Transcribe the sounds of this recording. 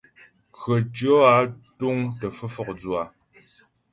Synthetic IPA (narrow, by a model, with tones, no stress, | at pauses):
kɰə˨d͡ʒo˦a˦tu˦ŋtə˨fɨ˦fɔ˦˨k̚d͡zwa˨